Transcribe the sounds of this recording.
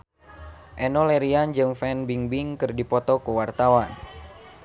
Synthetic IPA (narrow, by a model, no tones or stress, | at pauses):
ʔɛnɔlɛɾiand͡ʒɨŋfɛnbiŋbiŋkɨrdipɔt̪ɔkuwart̪awan